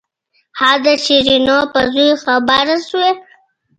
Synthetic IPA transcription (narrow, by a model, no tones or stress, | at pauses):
haːd̪əɕiɾinopazuxabaɾasuwe